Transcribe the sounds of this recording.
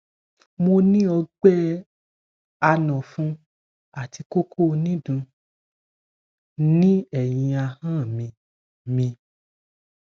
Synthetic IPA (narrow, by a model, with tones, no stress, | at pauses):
mo˧nĩ˦ɔ˧ɡ͡bɛ˦ | a˧nɔ̃˨fũ˦ | a˨ti˧ko˦kʰo˦˧nĩ˦dũ˧ | nĩ˦ɛ˨j̃ĩ˧a˧hã˦˨mĩ˧ | mĩ˧